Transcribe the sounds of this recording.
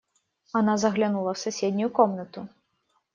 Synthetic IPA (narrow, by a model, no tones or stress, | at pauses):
anazɐɣlʲanulˠɐwsusʲɛd̪ʲnʲujukɔmnɐt̪u